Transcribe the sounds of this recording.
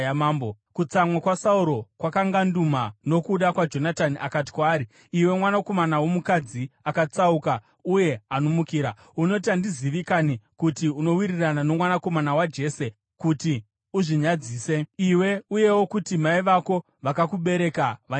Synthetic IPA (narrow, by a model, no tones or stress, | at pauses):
maːmbo | kut͡samwakwasauɾo̞kwakaŋɡandumano̞kuɗakwad͡ʒo̞nataniʔakat̬i̥kwaːɾi | iwe̞mwanako̞manawo̞mukad͡ziakat͡sauka | uje̞anomukiːɾa | uno̞t̬andiziʋikanikutiuno̞wiriranano̞mwanako̞manawad͡ʒe̞ːse̞ | kuti | uʐiɲad͡ziːse̞iwe̞uje̞wo̞kutimaiʋako̞ | ʋakakuɓe̞ɾe̞kaʋa